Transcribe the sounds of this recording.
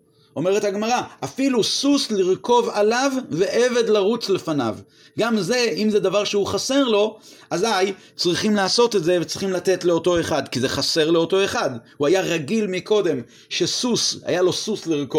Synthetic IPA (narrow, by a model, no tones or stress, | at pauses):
o̞me̞ʁe̞thaɡmaʁaʔafilususliʁko̞valavːe̞ʔeve̞d̪laʁut͡sle̞fana̰v | ɡamze̞imzed̪avaʁʃeuχase̞ʁlo̞ʔazaj | t͡sʁiχimlaːso̞te̞tze̞vet͡sʁiχimlat̪e̞tle̞o̞to̞e̞χadkize̞χase̞ʁle̞o̞to̞e̞χadhuajaʁaɡilmikʰo̞de̞m | ʃe̞susa̰jalo̞susliʁko